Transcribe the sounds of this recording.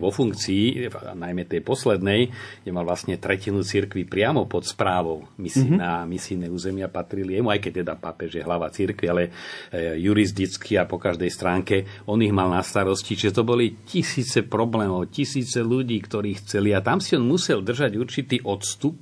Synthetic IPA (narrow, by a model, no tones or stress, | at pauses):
ʋɔfuŋkt͡siːnajmɛt̪ɛjpɔslɛd̪nɛjɡɲɛmalʋlasɲɛt̪ɾɛcinut͡siɾkʋipɾɪamɔpɔt̪spɾaːʋɔʊmisinamisinɛuːzɛmɪapat̪ɾilijɛmuajkɛc̚t̪ɛd̪apapɛʒjɛɦlaʋat͡siɾkʋialɛ | juɾis̬d̪it͡skʰiapɔkaʒd̪ɛjst̪ɾaːŋkɛɔniɣmalnast̪aɾɔscit͡ʃiʒɛt̪ɔbɔlicisiːt͡sɛpɾɔblɛːmɔʊcisiːt͡sɛluɟiːkt̪ɔɾiːxt͡sɛliat̪amsiɔnmusɛld̪r̩ʒaɟuɾt͡ʃit̪iːʔɔt̪st̪up̚